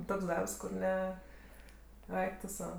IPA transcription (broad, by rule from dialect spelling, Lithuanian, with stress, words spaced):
ˈtoːks ˈdɐrps kʊr ˈnʲɛ ˈɐɪk tʊ ˈsɐʊ